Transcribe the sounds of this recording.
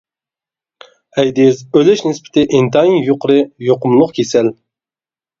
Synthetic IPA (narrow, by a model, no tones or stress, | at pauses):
ɛjd̪ɪzølɛʃnɪspʰɪ̥t̪ʰɪʔɪnt̪ɑinjoqɾɨjoqʊmlˠʊqkʲʰesɛl